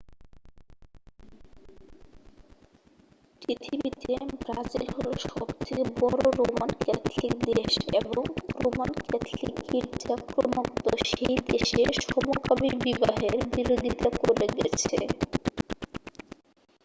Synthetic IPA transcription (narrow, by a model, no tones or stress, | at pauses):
pɾit̪ʰibit̪ebɾad͡ʑilɦoloʃɔbt̪ʰebɔɾoɾomankɛt̪ʰlikd̪eʃḛboŋɾomankɛt̪ʰlikːiɾd͡ʑakɾomot̪oʃejd̪eʃeʃɔmokabiɾbibaɦeɾbiɾod̪ʱit̪akoɾeɡɛt͡ɕʰḛ